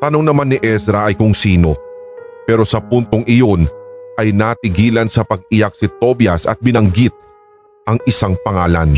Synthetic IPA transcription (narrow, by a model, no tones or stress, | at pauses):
t̪ɐnoŋnɐmanːɪʔɛsɾɐʔɐjkʊŋsiːno̞pɛːɾo̞sɐpunt̪o̞ŋʔɪjo̞nʔɐjnat̪ɪɡiːlɐnsɐpɐɡ̚ɪjak̚sɪt̪o̞bjɐsɐ̰t̪̚bɪnɐŋɡit̪̚ | ʔɐŋʔɪsaŋpɐŋaːlɐ̰n